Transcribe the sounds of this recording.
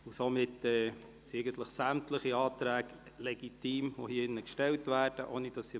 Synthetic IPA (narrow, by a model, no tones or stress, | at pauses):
ʊsomɪtːɛː | sɛɪɡənt̪ləχsæmtləχiɑːt̪ɾæːɡ | lɛɡ̥itiːmʋo̰hiːɪnːəkʃtɛltʋæːɾd̥əʔoːnid̥ɑsːi